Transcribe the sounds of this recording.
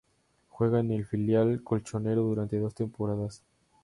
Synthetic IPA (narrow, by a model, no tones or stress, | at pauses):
xwe̞ɣaene̞lfiljalkolt͡ʃo̞ne̞ɾoðuɾant̪e̞ðo̞st̪e̞mpo̞ɾaðas